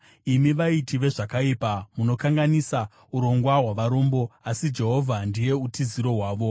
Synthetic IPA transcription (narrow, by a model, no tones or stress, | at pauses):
imiʋaitiʋe̞ʐakaipamuno̞kaŋɡanisa | uɾo̞ŋɡwaɦwaʋaɾo̞mbo̞asid͡ʒe̞ɦo̞vʱandije̞utiziɾo̞ɦwaːʋo̞